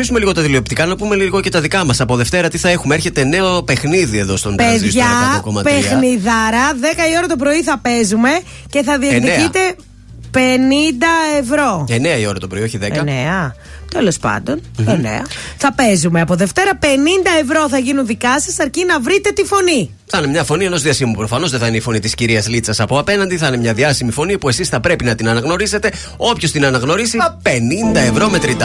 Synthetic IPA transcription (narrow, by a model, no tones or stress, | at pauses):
isumeliɣo̞t̪ɐðilio̞p̚t̪ikɐnɐpume̞liɣo̞ce̞t̪ɐðikɐmɐsɐpo̞ðe̞ft̪e̞ɾɐt̪iθɐe̞xumeeɾçe̞t̪eneope̞xniðie̞ðo̞st̪ondeðisʝɐkomɐ̰tpexnniðɐɾɐðe̞kɐio̞ɾɐt̪o̞p̬ɾo̞iθɐpe̞zume̞ | ce̞θɐðiɐt̪iit̪e̞ | pe̞nind̪ɐevɾo̞eneɐio̞ɾɐt̪o̞pɾo̞io̞çiðekɐneɐ | t̪e̞lo̞spɐ̰nd̪o̞nenḛɐ̰θɐpe̞zumeɐpo̞ðe̞ft̪e̞ɾɐpe̞nind̪ɐe̞vɾo̞θɐʝinunðikɐsɐsɐɾcinɐvɾit̪e̞t̪ifo̞ni | θɐinemɲɐfo̞nie̞no̞zðiɐsimupɾofɐno̞zðeθɐineifo̞nit̪isciɾiɐzlit͡sɐsɐpoɐpe̞nɐnd̪iθɐinemɲɐðiɐsimifo̞nipue̞sisθɐpɾe̞pinɐt̪inɐnɐɣno̞ɾise̞t̪e̞ | o̞pço̞st̪inɐnɐɣno̞ɾisiɐpe̞nind̪ɐe̞vɾo̞met̪ɾind̪ɐ